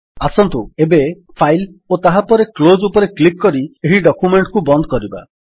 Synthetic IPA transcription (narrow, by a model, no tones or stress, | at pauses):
asɔnt̪uebe | pʰajlot̪aɦapɔɾeklod͡ʒupɔɾeklikːɔɾieɦiɖɔkjumeɳʈkubɔnd̪ɔkɔɾiba̰